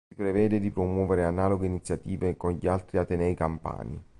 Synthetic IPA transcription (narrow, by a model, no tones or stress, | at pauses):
ipɾevɛːd̪ed̪ipɾomwɔːveɾeanaːloɡeinit̪sjat̪iːvekonʎialt̪ɾiat̪ːenɛjkampa̰ːnḭ